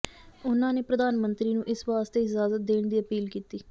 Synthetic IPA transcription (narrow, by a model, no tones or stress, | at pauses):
ʊnãːneːpɾəd̪aːnmənt̪ɾiːnũːʔɪsʋaːst̪eːɪzaːzət̪̚d̪eːɳd̪iːəpiːlkiːt̪iː